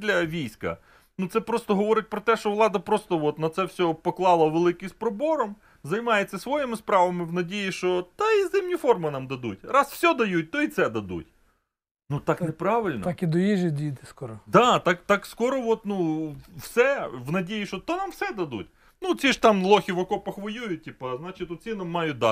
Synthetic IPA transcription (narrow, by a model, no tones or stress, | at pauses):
d̪lʲɐʋʲijsʲkɐ̰ | nut̪sɛpɾɔst̪ɔɦɔʋɔɾɪt̚ʲpɾɔt̪ɛʃt͡ʃɔʋlˠɑd̪ɐpɾɔst̪ɔʋɔt̪nɐt̪sɛwsʲɔpɔklˠɑlˠɐʋelˠɪkɪjspɾɔbɔɾɔm | zɐjmɑjet͡sʲːɐsʋɔjɪmɪspɾɑʋɐmɪʋnɐdʲijiʃt͡ʃɔt̪ɐizɪmnʲifɔrmʊnɑmd̪ɐd̪utʲɾɑsfsʲɔd̪ɐjut̚ʲt̪ɔit̪sɛd̪ɐd̪ṵtʲ | nut̪ɑknepɾɑʋɪlʲnkid̪ʊjiʒed̪ʲit̪ɪskɔɾɔd̪ɑt̪ɑkt̪ɑkskɔɾɔʋɔt̪nuwsɛʋnɐdʲijiʃɔt̪ɔnamwsɛd̪ɐd̪ṵtʲ | nut͡sʲiʒt̪ɑmlˠɔxʲiʋɐkɔpɔxʋɐjʲujʊtʲːipɐznɑt͡ʃɪt̪ɔt͡sʲinɐmːɑjʊd̪ɑ